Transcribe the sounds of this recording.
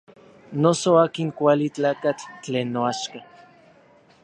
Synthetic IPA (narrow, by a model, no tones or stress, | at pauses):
nosoaːkiŋkʷalit͡ɬaːkat͡ɬt͡ɬeːnːoaʃka